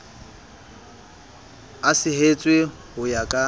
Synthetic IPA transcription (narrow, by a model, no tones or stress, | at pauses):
asɪɦet͡sʼwe | hʊjakʼa